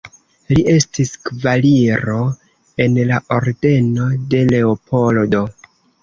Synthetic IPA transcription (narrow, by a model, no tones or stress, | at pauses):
liʔe̞stiskvaliɾo̞ | e̞nlaʔo̞ɾde̞no̞de̞le̞opʰo̞ldo̞